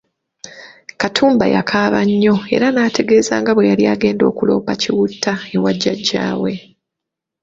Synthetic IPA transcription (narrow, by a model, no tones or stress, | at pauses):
katʰuːmba̰ja̰kʰaːβaɲːo̞e̞̰ɾanaːtʰe̞ɡe̞ːzaːŋɡaβwe̞jaliaːɡe̞ːndo̞̰ːkulo̞̰ːpaciwutːae̞waɟːaɟːa̰ːwe̞